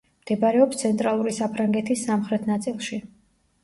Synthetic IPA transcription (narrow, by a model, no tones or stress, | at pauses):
md̪̥ɛbaɾɛɔpst̪sʰɛnt̪ʼɾalˠuɾisapʰɾaŋɡɛt̪ʰisːamχɾɛt̪ʰnat̪sʼilˠʃi